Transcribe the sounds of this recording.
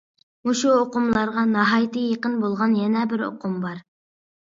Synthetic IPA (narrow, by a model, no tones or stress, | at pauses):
uʃuoqʊmlˠɑɾʁɑnɑɦɑjt̪ʰɨjeqənbolˠʁɑnjɛnɛbɪɾo̰qʰʊmbɑɾ